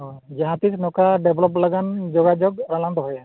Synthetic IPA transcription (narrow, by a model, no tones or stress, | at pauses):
ɔd͡ʒaɦãtisnɔkaɖɛbʱlɔp̬laɡand͡ʒɔɡad͡ʒɔɡɔɾalantɔɦɔja